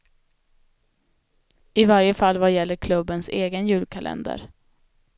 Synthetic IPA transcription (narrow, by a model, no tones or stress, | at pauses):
ɪvaɾjəfalːvajɛlːəɾkʰlɵbːənseːɡənjʉ̟ːlkʰalʔɛ̰nd̪ə̰ɾ